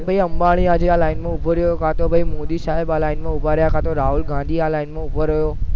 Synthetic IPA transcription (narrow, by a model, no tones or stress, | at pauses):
bʱɐiɐ̃mbaːɽ̃iãːd͡ʑeaːlaːɪnmẽʊbʱoɾijokʰat̪obʱɐimoːd̪isaːɦɪbaːlaːɪnmẽʊbʱaɾijakʰat̪ʰoɾaːɦʊlɡãːnd̪ʱiaːlaːɪnmẽʊbʱoɾɐjoː